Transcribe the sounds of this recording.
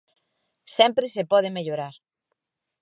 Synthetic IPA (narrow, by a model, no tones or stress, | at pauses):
sɛmpɾesepɔð̞ɪmeʎoɾaɾ